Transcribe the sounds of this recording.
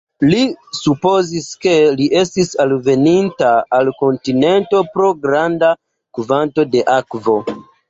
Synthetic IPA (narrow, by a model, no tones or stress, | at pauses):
lisupo̞ziske̞liʔe̞stisalve̞nintaːlko̞ntine̞nto̞pɾo̞ɡɾanda | kuvanto̞de̞ʔakvo̞